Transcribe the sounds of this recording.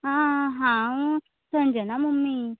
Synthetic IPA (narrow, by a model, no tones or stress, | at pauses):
aɦã | sʰənd͡ʑənamumːi